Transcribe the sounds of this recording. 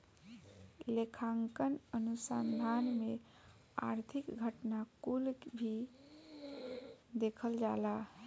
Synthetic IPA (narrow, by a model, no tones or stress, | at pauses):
lekʰaŋkənənusand̪ʱanme | a̰ɾt̪ʰikɡʱəʈnakulkbʱi | d̪ekʰəld͡ʒala